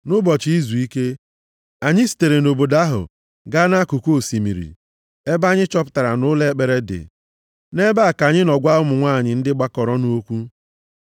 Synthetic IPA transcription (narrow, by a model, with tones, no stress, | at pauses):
nʊ˦bɔ˨t͡ʃi˨i˦zu˨i˦ke˦ | a˨ɲɪ˦si̥˨te˨ɾe˨no˨bo˨da˦ɦʊ̰˨ | ɡa˦na˦ku˨ko˦˨si˨mḭ˨ɾḭ˨ | e˦ba˦ɲɪ˦t͡ʃɔ˦pʊ̥˦ta˨ɾa̰˨nʊ˦le˦k͡pe˨ɾe˦dɪ̰˨ | ne˦ba˦˨ka˨ɲɪ˦nɔ˨ɡʷa˦ʊ˦mʊ˨ŋʷaː˦˨ɲɪ˨n̩˦dɪ˦ɡ͡ba˦kɔ˨ɾɔ˦nu˦o˦kʷu˦